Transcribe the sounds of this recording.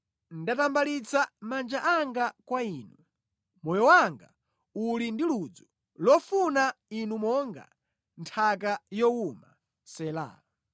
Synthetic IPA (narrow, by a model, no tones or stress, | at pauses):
n̩datambalit͡samand͡ʒaʔaŋɡakwaiːnu | mɔjɔwaŋɡa̰ | ulindilud͡zu | lɔfunainumɔŋɡa̰ | ntʰak̬ajɔuma̰ | sɛla̰ː